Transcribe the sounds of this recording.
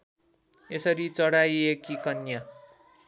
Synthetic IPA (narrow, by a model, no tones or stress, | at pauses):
esʌɾit͡sʌɽajekikʌnjʌ